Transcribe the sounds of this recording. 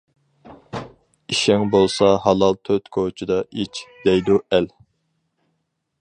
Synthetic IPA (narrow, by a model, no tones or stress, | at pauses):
iʃɛŋbolˠsɑɦɑlˠɑlˠt̪ʰøt̪kʰot͡ʃʰid̪ɑʔit͡ʃʰd̪̥ɛjd̪uæl